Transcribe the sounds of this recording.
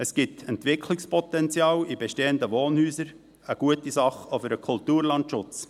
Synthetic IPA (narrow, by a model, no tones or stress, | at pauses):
əsɡ̥ɪtɛntʋɪkʰlɪkspɔt̪ɛnt͡sjɑːlibɛʃteːənd̪əʋoːnhyːsəɾ | əɡ̥uətisɑχofəɾəkʰʊltuːɾlɑntʃʊt͡s